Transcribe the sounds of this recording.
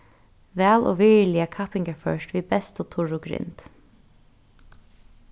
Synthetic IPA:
vɛːlʔo̰ːʋɪɹlɪəkʰapɪŋkəfœ̰ʃtʋiːbɛst̪ʊt̪ʰʊɹʊɡɾɪ̰nt̪

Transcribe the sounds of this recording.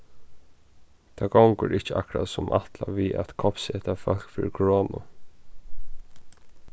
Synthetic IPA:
t̪ʰaɡawŋkəɹɪt͡ʃəakɾasʊmʔaht̪laviat̪kʰɔpsɛt̪afœl̥kfiːɾɪkʰɔɹoːnʊ

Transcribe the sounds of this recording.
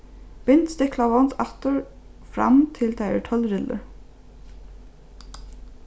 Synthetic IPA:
b̥ɪnt̪st̪ɪklaʋɔnt̪ʰɑt̪əɹ | fɾɑ̰mt̪ʰɪlt̪ʰæɪə̰ʈʰœlɾɪlə̰ɹ

